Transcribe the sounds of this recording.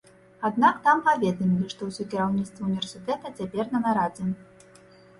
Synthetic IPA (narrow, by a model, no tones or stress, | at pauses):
ad̪nakt̪ampavʲɛd̪ɐmʲilʲiʂt̪ɔwsʲɔkʲiɾawnʲit̪st̪vɐunʲvʲɛrsʲɨt̪ɛt̪ɐt͡sʲapʲɛrnɐnaɾad͡zʲɛn